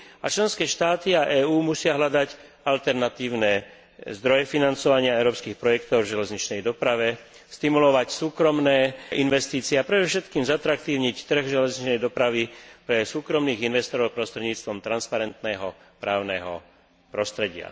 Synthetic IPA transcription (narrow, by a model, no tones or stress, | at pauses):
at͡ʃlɛnskɛːʃt̪aːt̪iaʔɛːuːmusɪaɦʎad̪ac | alt̪ɛɾnat̪iːʊnɛ | zd̪ɾɔjɛfinant͡sɔʋaɲɪaɛʊɾɔːpskiːxpɾɔjɛkt̪ɔʊvʒɛlɛzɲit͡ʃnɛjd̪ɔpɾaʋɛ | st̪imulɔʋacsuːkɾɔmnɛːʔinʋɛst̪iːt͡siɛapɾɛd̪ɔfʃɛt̪kiːmzat̪ɾak̚t̪iːʊɲict̪r̩ɣʒɛlɛzɲit͡ʃnɛjd̪ɔpɾaʋipɾɛsuːkɾɔmniːɣinʋɛst̪ɔɾɔʊpɾɔst̪ɾɛɟɲiːt͡st̪ʋɔmt̪ɾanspaɾɛnt̪nɛɦɔ | pɾaːʊnɛɦɔ̰ | pɾɔst̪ɾɛɟɪa̰